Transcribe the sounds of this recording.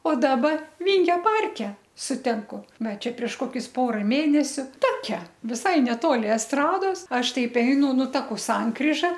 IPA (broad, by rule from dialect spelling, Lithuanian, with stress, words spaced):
oː ˈdɑːbɐ ˈʋʲiːŋʲɡʲoː ˈpɐrʲkʲɛ sʊˈtʲɪŋkʊ ˈʋɐ ˈt͡ʃʲɛ pʲrʲiɛʃ ˈkoːkʲʊs ˈpoːrɐ ˈmʲeːnʲɛsʲʊ ˈtoːkʲɛ ʋʲɪˈsɐɪ nʲɛˈtoːlʲɪ ɛsˈtrɑːdoːs ˈɐʃ ˈtʲɛɪp ˈɛɪnʊ ˈnʊ ˈtɑːkʊ ˈsɐŋkrʲiːʒɐ